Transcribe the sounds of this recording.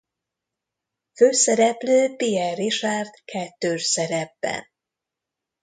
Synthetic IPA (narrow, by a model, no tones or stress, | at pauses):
føːsɛɾɛpløːpiɛriʃaːrt̪kʰɛt̪ːøːʃsɛɾɛbːɛ̰n